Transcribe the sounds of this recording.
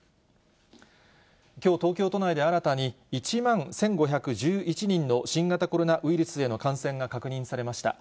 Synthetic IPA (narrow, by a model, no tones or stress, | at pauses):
kʲo̞ːt̪o̞ːkʲo̞ːt̪o̞naid̪e̞aɾat̪aɲ̟i | it͡ɕimãɰ̃sẽ̞ŋɡo̞çakɯ̟ʑɨːʔit͡ɕiɲ̟ĩnːo̞ɕĩŋɡat̪ako̞ɾo̞naʔɯ̟iɾɯ̟sɨe̞no̞kãɰ̃sẽ̞ŋɡakakɯ̟ɲ̟ĩsaɾe̞maɕi̥t̪a̰